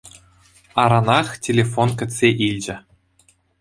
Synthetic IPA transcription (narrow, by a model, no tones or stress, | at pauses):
ɑɾɑnɑχtʲelʲefonkʲɘ̆t͡sʲsʲeʔilʲd͡ʑɘ̆